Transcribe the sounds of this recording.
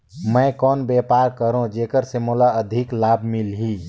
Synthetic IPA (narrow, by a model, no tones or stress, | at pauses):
mə̃jkɔːnbɛːpaːɾkəɾõd͡ʒeːkəɾsemolaəd̪ʱɪklaːbʱmilɦi